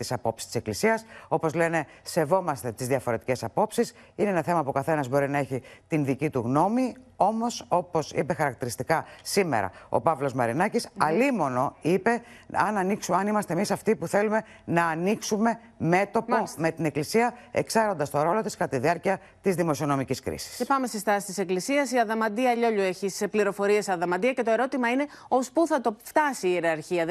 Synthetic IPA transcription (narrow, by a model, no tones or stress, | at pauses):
t̪isɐpo̞psi̥st̪iseklisiɐso̞po̞zle̞ne̞ | se̞vo̞mɐst̪e̞t̪izðiɐfo̞ɾe̞t̪ice̞sɐpo̞psis | ineenɐθe̞mɐpukɐθe̞nɐzbo̞ɾinɐeçit̪inðicit̪uɣno̞mio̞mo̞so̞po̞sḭpexɐɾɐk̚t̪iɾist̪ikɐsime̞̰ɾɐ̰o̞̰pɐvlo̞zmɐɾinɐcisɐlimo̞no̞ipe̞ɐnɐniksuɐnimɐst̪emisɐft̪ipuθe̞lume̞ | nɐːniksume̞ | me̞t̪o̞pome̞t̪ine̞klisiɐḛksɐɾo̞nd̪ɐst̪o̞ɾo̞lo̞t̪iskɐt̪ɐt̪iðiɐɾciɐ | t̪izðimo̞sio̞no̞miciskɾḭsi̥spɐme̞sest̪ɐsi̥t̪ise̞klisiɐsiɐðɐmɐd̪iɐʎo̞ʎue̞çisepliɾo̞fo̞ɾiesɐðɐmɐd̪iɐce̞t̪o̞e̞ɾo̞t̪imɐine̞ospuθɐt̪o̞ft̪ɐsiːeɾɐɾçiɐ